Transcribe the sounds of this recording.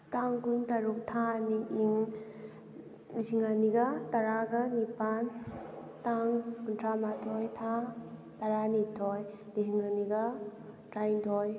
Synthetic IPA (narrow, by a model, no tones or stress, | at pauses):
taŋkuŋtɐɾuk̚tʰaniʔiŋ | liziŋaniɡɐtɐɾaɡɐnipan | taŋkuntʰamatʰojtʰa | tɐɾanitʰoj | liziŋaniɡɐ | tɾajndʰoj